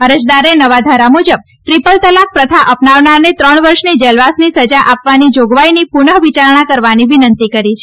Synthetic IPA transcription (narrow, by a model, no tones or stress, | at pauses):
əɾəd͡ʒd̪aɾenəʋad̪ʱaɾamud͡ʒəb̚ | ʈɾipəlt̪əlak̚pɾət̪ʰaʔəpnaʋnaɾnet̪ɾəɳʋəɾʃnid͡ʒəlʋasnisəd͡ʒaʔapʋanid͡ʒoɡʋainipuɳəɦʋit͡ʃaɾɳ̃akəɾʋaniʋinənt̪ikəɾit͡ʃʰe